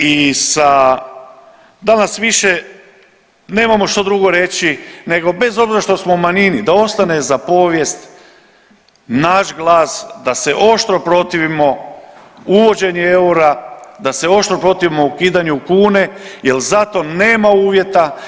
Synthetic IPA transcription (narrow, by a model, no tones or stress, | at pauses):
isa | d̪anasʋiʃe | ne̞ːmamo̞ʃt̪od̪ɾuɡo̞ɾe̞t͡ɕine̞ɡo̞be̞zo̞bziɾaʃt̪o̞smo̞umaɲinid̪ao̞st̪ane̞zapo̞ʋje̞st̪ | naʃɡlˠaːsd̪ase̞ʔo̞ʃt̪ɾo̞pɾo̞t̪iʋimo̞ | uʋo̞d͡ʑe̞ɲeeuɾad̪aseo̞ʃt̪ɾo̞pɾo̞t̪iʋimo̞ukiːd̪aɲuukuːne̞je̞lzat̪o̞ne̞ːmauːʋje̞t̪a